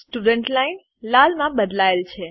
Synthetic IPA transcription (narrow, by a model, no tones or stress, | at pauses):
sʈuɖəɳʈlain | lalmãbəd̪laelt͡ʃʰe